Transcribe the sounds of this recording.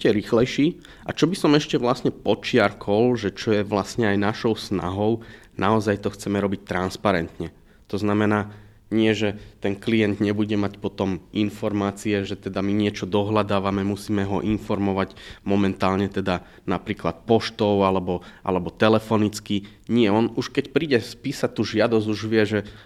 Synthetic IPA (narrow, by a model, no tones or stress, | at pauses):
cɛɾiːxlɛjʃiː | ʔat͡ʃɔbisɔmɛʃcɛʋlasɲɛpɔt͡ʃɪaɾkʰɔlʒɛt͡ʃɔjɛʋlasɲɛajnaʃɔʊsna̰ɦɔʊ | naɔzajt̪ɔxt͡sɛmɛɾɔbic̚t̪ɾanspaɾɛnt̪ɲɛ | t̪ɔznamɛnaː | ɲɪɛʒɛt̪ɛnklijɛnd̪ɲɛbuɟɛmacpɔt̪ɔminfɔɾmaːt͡siɛʒɛt̪ɛd̪amiɲɪɛt͡ʃɔd̪ɔɦlad̪aːʋamɛmusiːmɛɦɔʔinfɔɾmɔʋaɟmɔmɛnt̪aːlɲɛt̪ɛd̪a | napɾiːklat̪̚pɔʃt̪ɔʊalɛbɔʔa̰lɛbɔt̪ɛlɛfɔnit͡ski | ɲɪɛɔnuʃkɛcpɾiːɟɛspiːsat̪ːuːʒɪad̪ɔzuʒʋɪɛʒɛ